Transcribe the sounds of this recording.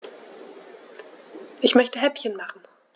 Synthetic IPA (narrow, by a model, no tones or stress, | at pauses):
ʔɪçmœçtəɦɛpçənmaχn̩